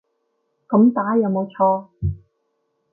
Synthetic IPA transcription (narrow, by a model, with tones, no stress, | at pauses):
kɐ˨˧˥mt̪aː˨˥jɐ˨˧wmo˨˧wt͡ʃʰɔː˧